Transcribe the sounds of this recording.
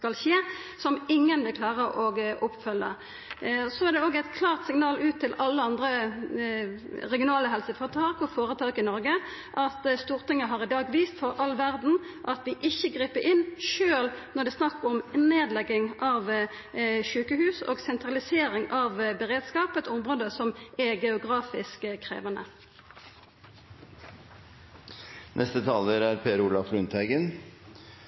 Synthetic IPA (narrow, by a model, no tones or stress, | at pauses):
skɑlçeːsɔmɪŋːənʋɪlkʰlɑːʁəʔɔɡʔɔpːfœlːə̰ | sɔæʁd̪ɛoːɡæɪt̪kʰlɑːʁt̪sɪŋnɑːlʉːt̪ʰːɪlɑlːəɑnd̪ʁə | ʁɛɡɪʊnɑːləɦɛlsəfɔʁt̪ʰɑːkɔfoːɾət̪ʰɑːkɪnɔɾɡə | ʔɑt̪st̪uːʁt̪ɪŋːəɦɑʁɪd̪ɑːɡʋiːst̪fɔʁɑlːʋæʁd̪n̩ʔɑt̪ʋɪʔɪçːəɡɾiːpəʔɪnːʃøːlnɔʁɖ̪ɛːsnɑkːɔmneːd̪lɛɡːɪŋʔɑʋ | ʃʉːkəhʉːso̰ːɡsɛnt̪ʁɑlɪseːʁɪŋɑʋbɛʁeːd̪skɑːpɛt̪ʊmʁoːd̪əsɔmɛɡɛʊɡʁɑːfɪskkʰʁḛːʋənə̰ | nʔɛst̪ət̪ʰɑːləɾæɾpʰeːɾuːlɑflʉnt̪ʰæɪɡən